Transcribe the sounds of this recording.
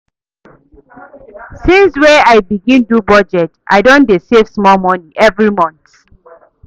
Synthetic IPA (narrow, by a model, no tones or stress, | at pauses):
sĩnswɛaɪbiɡĩndubɔd͡ʒɛtʔa̰ɪdõndesev̥smɔlmɔniʔɛvɹimɔ̃nt